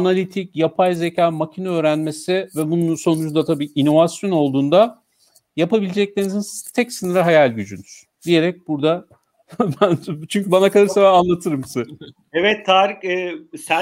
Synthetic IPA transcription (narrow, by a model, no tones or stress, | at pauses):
analʲit̪ʰicjapʰajze̞cʰaːmacʰinɛø̞ːɾænme̞sɪvɛbunnso̞nud͡ʒund̪at̪ʰabiːino̞vasjo̞no̞lˠd̪uːnd̪a | japabilʲed͡ʒɛc̚lʲenizint̪ʰɛcsɯnɯɾɯɦajalʲɟyd͡ʒynyɾ̥d̪̥ije̞ɾɛc̚buɾd̪a | bænt͡ʃʰyɲc̬ybanakad̪aɾsabaanlˠat̪ʰɯɾɯmsɛ | evɛt̪ʰːaːɾikːsæ